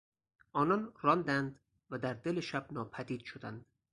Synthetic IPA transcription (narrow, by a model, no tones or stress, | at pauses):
ɒːnɒnrɒnd̪ænd̪ | væd̪æɾd̪eleʃæb̚nɒːpʰæd̪iːd̪̥ʃod̪ænd̪̥